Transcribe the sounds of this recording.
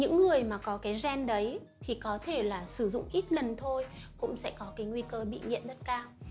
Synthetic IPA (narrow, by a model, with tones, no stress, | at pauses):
ɲɨ̰˧˥ŋːɨ˨˩əjmaː˨˩kɔ˨˦kaː˨˦jzɛ˧nɗə˨˦j | t̪ʰi˨˩kɔ˨˦t̪ʰe˧˩laː˨˩sɨ˧˩zʊ̰˧˨ŋ͡mʔi˦˥t̚lə˨˩nt̪ʰo˧jkʊ̰˧˥ŋ͡msɛ̰˧˥kɔ˨˦kaː˨˦jŋwi˧kəː˧ɓḭ˧˨ŋḭ˧˨nzə˦˥t̚kaː˧w